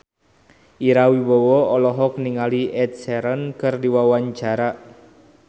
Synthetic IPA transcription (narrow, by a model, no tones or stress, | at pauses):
ʔiɾawibowɔɔlɔɦɔkniŋaliʔɛt̪̚sɛɾənkɨrdiwawaɲt͡ʃaɾa